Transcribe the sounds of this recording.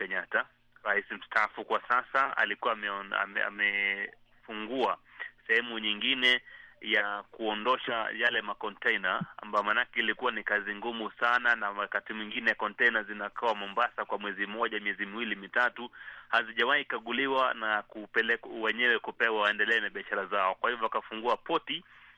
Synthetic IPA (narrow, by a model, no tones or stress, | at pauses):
kɛɲata | ɾaisim̩staːfukwasasaa̰likuaa̰ɛ | fuŋɡuasɛhɛmuɲiŋɡinɛjakuɔndɔʃa̰jalɛmakɔntɛinaa̰mbajɔmanakɛilikuwanikaziŋɡumusananawakatimwiŋɡinɛjakɔntɛnazinakʰawamɔmbasakwamwɛzimɔʄamiɛzimiwilimitatuhaziʄawaikaɠuliwanakupɛlɛwɛɲɛwɛkupɛwawaɛndɛlɛːnaɓiaʃaɾazaɔkwahivɔakafuŋɡuapɔti